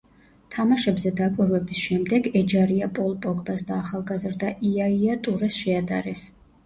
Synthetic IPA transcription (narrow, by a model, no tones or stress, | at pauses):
t̪ʰamaʃɛbzɛd̪akʷʼiɾvɛbisʃɛmd̪ɛɡɛd͡ʒaɾiapʼɔlˠpʼɔkʼbasd̪aːχalˠɡazɾd̪aʔiaiat̪ʼuɾɛsʃɛad̪a̰ɾɛs